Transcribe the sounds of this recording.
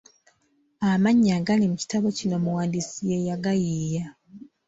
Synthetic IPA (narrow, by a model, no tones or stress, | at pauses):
amaɲːaɡalimuci̥taβo̞cino̞muwaːndisijejaɡajija